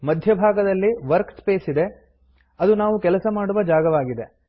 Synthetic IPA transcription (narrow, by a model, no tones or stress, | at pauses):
mɐd̪ʱjɐbʱaːɡɐd̪ɐlːiʋɐɾkspeːsid̪e̞ | ɐd̪unaːʋukɛlɐsɐmaːɽuʋɐd͡ʒaːɡɐʋaːɡid̪e̞